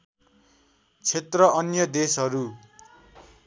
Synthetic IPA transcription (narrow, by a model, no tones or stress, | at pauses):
t͡sʰet̪rʌʌnjʌd̪esɦʌɾu